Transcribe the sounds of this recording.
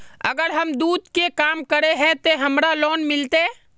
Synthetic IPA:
ə̰ɡəɾɦəmd̪ud̪kekamkəɾeɦɛ̃t̪oɦəmɾalonmilt̪e

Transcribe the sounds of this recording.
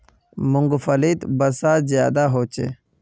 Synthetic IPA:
mʊŋɡfɐlit̪bɐsaːzjaːd̪aːɦoːt͡ʃḛ

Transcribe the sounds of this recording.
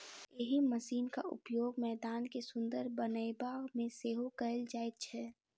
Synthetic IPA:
eɦiməsiːnka̰ʔʊ̰pjoːɡmɛːd̪aːnkesʊ̃nd̪əɾbənəjbamẽseːɦokəəld͡ʒaːet̪̚t͡ʃʰɛ

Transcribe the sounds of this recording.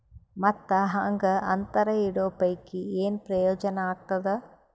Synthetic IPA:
mɐt̪ːɐɦaŋɡɐʔɐnt̪ɐɾɐiɽoːpɐjkieːnpɾɐjɔːd͡ʒɐnaːt̪ːɐd̪ɐ

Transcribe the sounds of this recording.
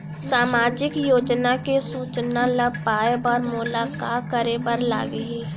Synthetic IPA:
saːmaːd͡ʒɪkjoːd͡ʒnakesuːt͡ʃnaləbpaːjəbɔːɾmʊlaːkaːkəɾebəɾla̰ːɡɦiː

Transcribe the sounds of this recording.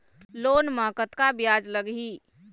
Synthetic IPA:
lonməkət̪kabjad͡ʒləɡɦi

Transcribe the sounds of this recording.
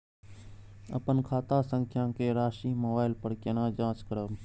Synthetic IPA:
ə̰pənkʰaːt̪aːsə̃ŋkʰjãːkeːɾaːʃiːmoːbaːɪlpəɾkenãːd͡ʒãːt͡ʃkəɾəː

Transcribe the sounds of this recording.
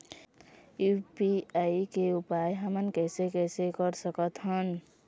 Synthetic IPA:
jupiaikeupajɦəmənkɛsekɛsekəɾsəkət̪ɦən

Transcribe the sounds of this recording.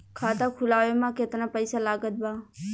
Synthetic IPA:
kʰaːt̪aːkʰʊlaːʋemãːket̪nãːpəɪsaːlaːɡət̪̚baː

